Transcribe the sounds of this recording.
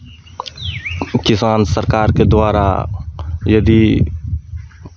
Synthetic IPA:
kɪsaːnsəɾkaːɾked̪waːɾa̰ | jɐd̪i

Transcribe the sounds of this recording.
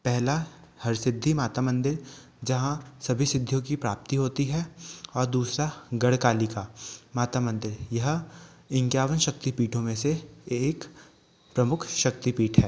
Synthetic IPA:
pɛɦlahɐɾsɪd̪ʱːimaːt̪amɐ̃nd̪ɪɾ | d͡ʒɐɦãsɐbʱisɪd̪ʱːjõkipɾaːp̚t̪iɦoːt̪iɦɛɔːɾd̪uːsɾaɡɐɽkaːlikamaːt̪amɐ̃nd̪ɪɾjɐɦ | ɪ̃ŋkjaːʋənʃɐk̚t̪ipiːʈʰõmẽseːk | pɾɐmʊkʰʃɐkt̪ipiːʈʰɦɛː

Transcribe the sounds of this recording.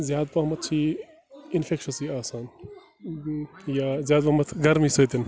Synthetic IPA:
zʲjaːd̪̚paːmɐt̪̚ʰt͡ʃʰiː | infʰekʃɐsiːaːsaːn | jaːzjaːd̪̚pamɐt̪ʰɡɐɾmisɐːt̪in

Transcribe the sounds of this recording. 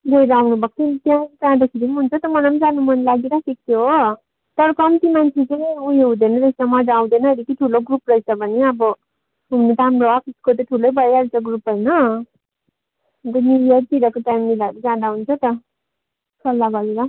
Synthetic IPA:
ɡʌjɾawnubʌkt̪ʰit̪jãd͡zãd̪ʌkʰiɾiniɦunt͡sʰʌt̪ʌmʌnamd͡zanumʌnlaɡeɾasik̚t̪ʰjoɦo | t̪ʌɾʌkʌmt̪imant͡sʰet͡sʌj̃uɦeɦũd̪enʌɾesʌmʌdaw̃d̪enʌed̪ikiʈʰuloɡruprʌjt͡sʰʌbʱʌneʌbʌ | ɦumnet̪ʌɦamroʌpʰiskot̪ʌʈʰulojbʌɾjaɾt͡saɡrupɦʌjnʌ | d̪ʌniɾijʌɾp̪iɾʌkoʈajmːilaɾid͡zãd̪aɦunt͡sʰʌt̪ʌ | sʰʌlːaɡʌɾeɾa

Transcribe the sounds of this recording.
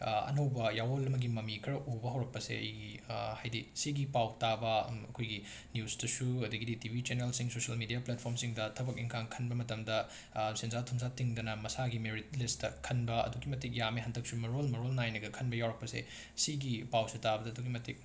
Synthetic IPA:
ɐ̰nɐwbɐjawolɐmɐɡimɐmikʰɾɐʔobɐɦɐwɾɐk̚pɐsḛɐ̰jɡihajdisiɡipawtabɐɐkʰojɡi | njusdɐsuɐdɐɡiditibʱit͡ʃeneɾelsiŋsosɐlmidijaplat̚pʰoɾmsiŋdɐtʰɐbɐkiŋkʰaŋkʰɐnbɐmɐtɐmdɐ | sinzatʰumzatiŋdɐnɐmɐsaɡimeɾit̚listɐkʰɐnbɐɐ̰duɡimɐtik̚jameɦɐntʰɐk̚sumɐɾolmɐɾolnajnɐɡɐkʰɐnbɐjawɾɐk̚pɐsḛ | siɡipawsitabɐdɐduɡimɐtʰik̚

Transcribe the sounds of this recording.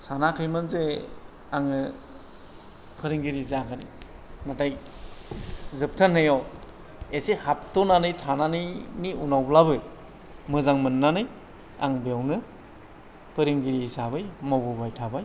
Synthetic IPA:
sanakʰɯjmɯnze | aŋɯ | kʰɯɾiŋɡiɾizaɡani | nataj | zɯp̚tʰanːɯjaw | esihap̚tɔnanɯjtʰananɯjniunawblabɯj | mɯzaŋmɯnːanɯj | a̰ŋbjawnɯ | pɯɾiŋɡiɾihisabɯjmawbubajtʰabaj

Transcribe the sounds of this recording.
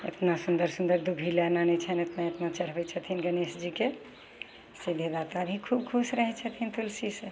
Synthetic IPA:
ḛt̪nasund̪əɾsũnd̪əɾd̪ubʱilɛnanɛt͡ʃʰɛnet̪naet̪nat͡ʃəɽ̤bɛt͡ʃʰət̪ʰinɡənesd͡ʒike | sid̪ʱed̪at̪abʱikʰub̚kʰusɾəɦɛt͡ʃʰət̪ʰint̪ulsisẽ

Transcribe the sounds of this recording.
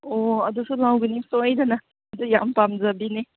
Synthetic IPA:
oɐdusulawɡinisojdanaː | dujampamzɐbini

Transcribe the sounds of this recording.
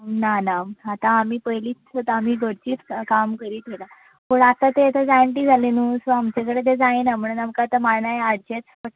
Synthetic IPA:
nanaat̪ãːm̤iːpəɦjliːt͡sət̪am̤iːɡʱəɽt͡ɕiːt̪kamkəɾiːt̪ela | puɽat̪at̪et̪əd͡zaɳʈiːd͡zʱalenuːsoamt͡ɕek̬əɽet̪ed͡zainam̤əɽunamkat̪əmaɽɳajad͡ʑet͡spəʈ

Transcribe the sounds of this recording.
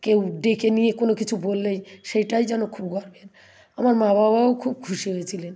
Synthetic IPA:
kewɖekʰeniekonokit͡ɕʰubolːejʃejʈajd͡ʑɛnokʰubɡɔɾben | amaɾmababaokʰub̚kʰuʃiɦojet͡ɕʰilen

